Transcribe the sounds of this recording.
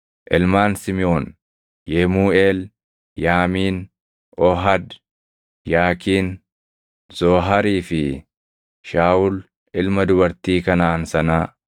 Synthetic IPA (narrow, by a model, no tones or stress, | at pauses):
ʔɪlmaːnsɪmɪoːn | jɛmuːeːl | jaːmiːn | ʔɔɦɐd̪ | jaːkiːn | z̥oːɦɐɾiːfɪ | ʃaːʔʊl | ɪlmɐd̪ʊbɐɾt̪iːkɐnaɐnsɐnaː